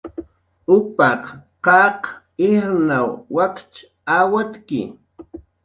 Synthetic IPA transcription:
ʊpɑqqɑq | ɪɾnawwakt͡ʃ | awat̪kɪ̰

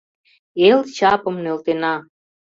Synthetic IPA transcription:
elt͡ɕɑpə̆mnølt̪enɑ

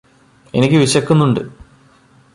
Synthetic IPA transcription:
e̞nikʲːɨʋiɕɐkːunːuɳɖɨ̰

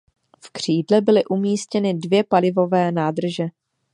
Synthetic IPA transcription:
fkr̝̥iːdlɛbɪlɪʔumiːscɛnɪdvjɛpalɪvo̞vɛːnaːdr̩ʒɛ

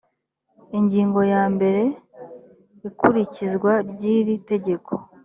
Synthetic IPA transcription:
iɲɟiːŋɡo̞jaːmbe̞ɾe̞ | ikuɾicizɡwaɾɟiːɾite̞ɟe̞kʰo̞̥

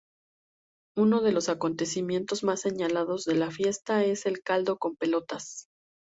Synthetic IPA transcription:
uno̞ð̞e̞lo̞sako̞nt̪e̞simje̞nt̪o̞zmasːe̞ɲalað̞o̞zðe̞lafje̞st̪ae̞se̞lkald̪o̞ko̞mpe̞lo̞t̪as

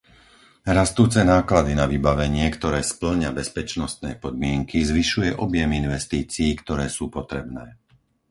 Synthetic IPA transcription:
ɾast̪uːt͡sɛnaːklad̪inaʋiːbaʋɛɲɪɛkt̪ɔɾɛːspl̩ɲabɛspɛt͡ʃnɔst̪nɛ̰ːpɔd̪̚mɪɛŋkʰizʋiʃujɛʔɔbjɛminʋɛst̪iːt͡siːkt̪ɔɾɛːsuːpɔt̪ɾɛbnɛː

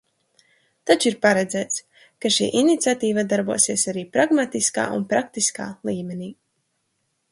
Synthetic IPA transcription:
t̪at͡ʃiɾpaɾɛd̪zæːt̪s | kaʃḭːʔinit̪sʲat̪iːvad̪aɾbuɔsiɛsaɾiːpɾaɡmat̪iska̰ːʔṵnpɾakt̪iskaːlˠiːmɛniː

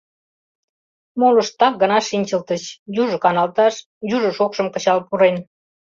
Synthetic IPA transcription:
moləʃt̪ɑk̚ɡənɑʃinʲt͡ɕəlt̪ət͡ɕjuʒə̆kɑnɑlt̪ɑʃ | juʒə̆ʃokʃə̆mkə̆t͡ɕɑlpuɾen

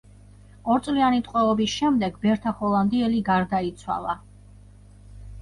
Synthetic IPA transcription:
ɔɾt̪sʼlianit̪ʼqʼwɛɔbisʃɛmd̪ɛɡbɛɾt̪ʰaχɔlˠand̪iɛliɡaɾd̪ait̪sʰwa̰lˠa

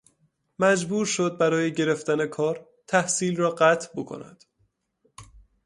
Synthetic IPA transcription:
mæd͡ʒbuːɾʃod̪̚bæɾɒːjeɟe̞ɾe̞ft̪æne̞kʰɒːɾ | t̪ʰæhsiːlrɒːɢæt̪ʰbokʰo̰næ̰d̪̥

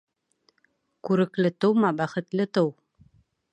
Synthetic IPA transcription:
kʉɾɘ̆klɘt̪ɤwmɑbæχɘ̆t̪lɘt̪ɤw

